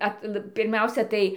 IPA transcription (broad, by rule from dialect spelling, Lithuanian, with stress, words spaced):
ˈɐtlˠ pʲɪrʲˈmʲɛʊsʲɛ tɐɪ